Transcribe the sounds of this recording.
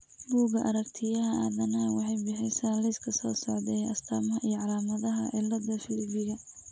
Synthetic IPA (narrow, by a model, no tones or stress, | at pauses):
buːɣɐʔɐɾɐkt̪ʰɪjɐɦɐɐːðɐnɐwɑħɑjbɪħɪsaːlɛjskʰɐsɔːsɔʕðɛjɐst̪ʰɐːmɐɦɐʔijɔʕɑlaːmɐðɐɦɐʕɪlɐd̪ɐfɪlɪbɪɣɐ